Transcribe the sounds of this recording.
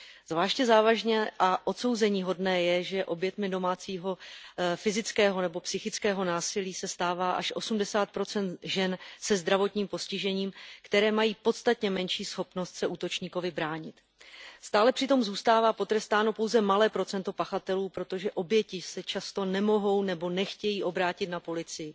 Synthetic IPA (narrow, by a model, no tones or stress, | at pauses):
z̥vlaːʃcɛzaːvaʒɲɛʔaʔo̞t̪so̞wzɛɲiːɦo̞dnɛːjɛʒɛʔo̞bjɛt̪mɪdo̞maːt͡siːɦo̞fɪzɪt͡skɛːɦo̞nɛbo̞psɪxɪt͡skɛːɦo̞naːsɪliːsɛst̪aːvaːʔaʃʔo̞sumdɛsaːt̪̚pɾo̞t͡sɛnt̪ʒɛnsɛzd̪ɾavo̞t̪ɲiːmpo̞scɪʒɛɲiːmkt̪ɛɾɛːmajiːpo̞t̪t͡st̪at̪ɲɛmɛnʃiːsxo̞pno̞st̪sɛʔuːt̪o̞t͡ʃɲiːko̞vɪbɾaːɲɪt̪ | st̪aːlɛpr̥ɪt̪o̞mzuːst̪aːvaːpo̞t̪ɾɛst̪aːno̞po̞wzɛmalɛːpɾo̞t͡sɛnt̪o̞paxat̪ɛluːpɾot̪o̞ʒɛʔo̞bjɛcɪsɛt͡ʃast̪o̞nɛmo̞ɦo̞wnɛbo̞nɛxcɛjiːʔo̞bɾaːcɪt̪napo̞lɪt͡sɪjɪ